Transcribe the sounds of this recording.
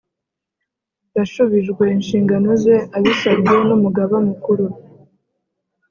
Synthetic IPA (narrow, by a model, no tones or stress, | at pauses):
daʃuβiʒɡwe̞inʃiːŋɡanoze̞ʔaβisabɟe̞numuɡaβamukuɾu